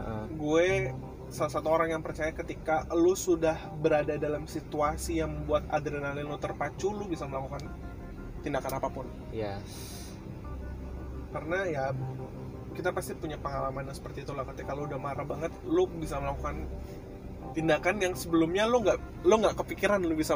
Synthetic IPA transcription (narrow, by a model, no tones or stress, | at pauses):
əʔəɡue | salas̬at̪uoɾaŋjaŋpərt͡ʃajakət̪ikalosudahbəɾadadalamsit̪uasijaŋməbuat̪a̰d̪ɾenalɪllot̪ərpat͡ʃulʊbisaməlakukan | t̪indakanapapʊn | ja | karənaja | kit̪apast̪ipuɲapəŋalamanasə̥pərt̪iːt̪ulahkət̪ikalʊudahmaɾabaŋət̪̚lʊbisaməlakukan | t̪indakanjaŋsəbəlʊmɲalʊŋɡaʔ | lʊŋɡaʔkəpikiɾanlʊbisa